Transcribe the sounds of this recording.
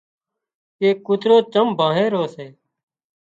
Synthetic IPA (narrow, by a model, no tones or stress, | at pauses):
eːkːʊt̪ɾoːt̪əmbʱãːɦẽːɾoːseː